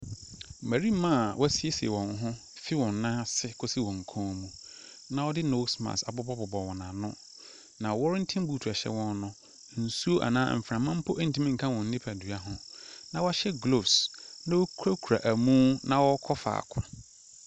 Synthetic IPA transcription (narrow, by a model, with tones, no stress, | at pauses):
mæ˨ɾi˦mã˦˨wɔ˦si˦e˦si˨ḛ˨wɔ̃˨n˦ɦʊ̃˦ | fi˦wɔ̃˨nː˦ã˦sɪ˦kʰo˦si˦wɔ̃˨ŋ˨kʰɔ̃ː˦mũ˦ | nã˨wɔ˦dɪ˦no˦smã̰˨sa̰˨bɔ˦bɔ˦bɔ˨bɔ˨wɔ̃˨nã˨nʊ̃˦ | nã˨wɔ˦ɾn̩˦tʰɪ̃˦m˦bu˦tʰu˨a˨ɕɛ̰˦wɔ̃˦nnʊ̃˦ | n̩˨su˦o˦ʔa̰˨nã̰ː˦m̩˨fɾã˨mːã˦m̩˦pʰʊ˦ʔe˦n̩˨tʰĩ˦mĩ˦ŋ̩˨kʰã˦wɔ̃˨n̩˦nɪ̃˦pʰæ˨dɥa˦ɦʊ̃˦nã˨wɔ˦ɕɛ˦ɡlo˦˨snã˦wo˦kʰɾa˦kʰu˨ɾa̰˨ʔæ˨mũː˦nã˨wɔ˦kʰɔ˦fa̰ː˨kʰʊ̃˨